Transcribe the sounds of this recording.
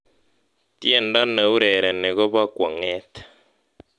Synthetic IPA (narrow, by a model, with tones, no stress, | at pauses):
tjɛ˨nda˦ne˨u˦ɾɛ˨ɾɛ˨nɛ˨ɣɔ˦βa˦kwa˨ŋɛː˦tʰɛ̥˨